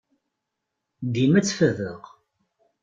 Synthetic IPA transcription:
d̪imæt͡sːfəðəʁ

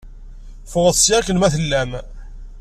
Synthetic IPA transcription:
fʊʁəsːiækənmæθəlːæm

